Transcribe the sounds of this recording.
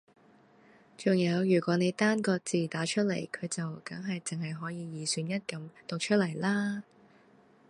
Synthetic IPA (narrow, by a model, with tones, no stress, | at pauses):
t͡sʊ˨ŋjɐ˨˧wjyː˨˩kʷɔː˨˥ne˨˧jt̪aː˥nkɔː˧k̚t͡siː˨˩t̪aː˨˥t͡ʃʰɵ˥t̚lɐ̰˨˩jkʰɵ˨˧ɥt͡sɐ˨wkɐ˨˥ŋɦɐ˨jt͡sɪ˨ŋɦɐ˨jɦɔː˨˥jiː˧jiː˨˩syː˨˧njɐ˥t̚kɐ˨˥mt̪ʊ˨k̚t͡ʃʰɵ˥t̚lɐ˨˩jlaː˥